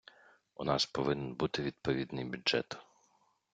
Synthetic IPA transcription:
unɑspɔʋɪnɛnbut̪ɪʋʲid̪̚pɔʋʲid̪nɪjbʲʊʒɛ̰t̪

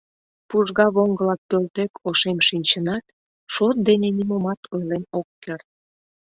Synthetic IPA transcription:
puʒɣɑβoŋɡəlɑk̚pølt̪ekʰoʃemʃinʲt͡ɕənɑt̪ | ʃot̪̚d̪enenimomɑt̪ʰojlenokːert̪̚

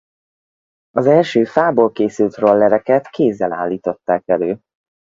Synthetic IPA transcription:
ɒzɛlʃøːfaːboːlkeːsylt̪rolːɛɾɛkɛt̪kʰeːzːɛla̰ːlːiːt̪o̞t̪ːaːkɛløː

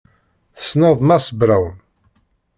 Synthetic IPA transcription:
θə̥snəðˤmæsˤəbɾawən

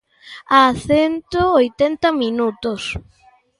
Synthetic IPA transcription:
aθɛnt̪oojt̪ɛnt̪ɐminut̪ʊs

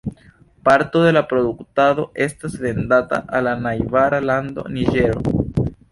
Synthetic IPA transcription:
paɾto̞de̞lapɾo̞duktado̞e̞stasve̞ndata̰ʔalanajvaɾalando̞̰niʒe̞ɾo̞̰

